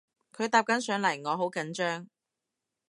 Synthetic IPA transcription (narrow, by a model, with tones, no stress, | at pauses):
kʰɵ˨˧ɥt̪aː˧p̚kɐ˨˥nsœː˨˥ŋlɐ˨˩jŋɔː˨˧ɦo˨˥wkɐ˨˥nt͡ʃœː˥ŋ